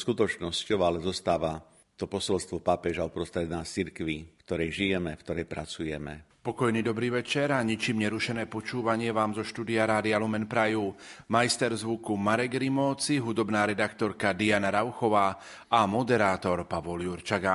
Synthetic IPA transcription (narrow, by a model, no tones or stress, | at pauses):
skut̪ɔt͡ʃnɔscɔʊalɛzɔst̪aːʋa | t̪ɔpɔsɔlst̪ʋɔpapɛʒaɔpɾɔst̪ɾɛd̪naːt͡siɾkʋikt̪ɔɾɛjʒijɛmɛfkt̪ɔɾɛjpɾat͡sujɛmɛ̰pɔkɔjniːd̪ɔbɾiːʋɛt͡ʃɛɾaɲit͡ʃiːmɲɛɾuʃɛnɛːpɔt͡ʃuːʋaɲɪɛʋaːmzɔʃt̪uːd̪iaɾaːd̪ialumɛnpɾajuː | majst̪ɛɾzʋukumaɾɛɡɾimɔːt͡siɦud̪ɔbnaːɾɛd̪akt̪ɔɾkad̪ianaɾaʊxɔʋaː | amɔd̪ɛɾaːt̪ɔɾpaʋɔljuɾt͡ʃaɡa